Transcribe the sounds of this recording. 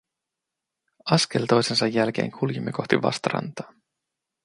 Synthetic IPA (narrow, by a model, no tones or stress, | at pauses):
ɑske̞lt̪o̞jse̞nsɑjːælk̟e̞̰ːŋkʰuljemːiko̞xt̪iʋɑ̰st̪ɑɾɑ̰nt̪ɑ̥ː